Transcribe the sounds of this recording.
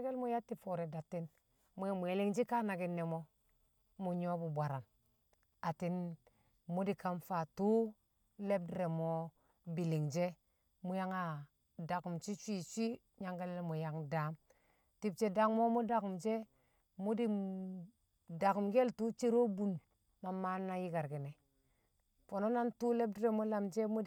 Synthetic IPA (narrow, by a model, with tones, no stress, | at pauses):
ɡe˦lmo˦ja˦tːi˦fo˨ɾe˨da˨tːi˦n | mu˨˦ja˦mu˨e˨li˦ŋd͡ʒi˦ka˦na˨ɡi˦nːe˨mo˦ | mu˨ɲo˦bu˨bʷa˨ɾa˨n | a˨ti˦n | mu˦di˨ka˦mfa˨tu˦ | le˦b̚di˦ɾe˨mo˦ | bi˨li˨ŋd͡ʒe˦ | mu˦ja˦ŋa˨ | da˨ku˨mt͡ʃi˦t͡ʃʷi˦˨t͡ʃʷi˦ | ɲa˦ŋɡa˦le˦lmo˨ja˨ŋdaː˨˦m | ti˨b̚t͡ʃe˨da˨˦ŋmo˦mo˦da˨ku˨md͡ʒe˦ | mu˦di˨ | da˨ku˨mɡe˦ltu˦t͡ʃe˦ɾo˦bu˦n | ma˨mːa˦nːa˦ji˦ɡa˨ɾɡi˨ne˨ | fo˨no˦na˦ntu˦le˦b̚di˦ɾe˨mo˦la˨md͡ʒe˦mu˦˨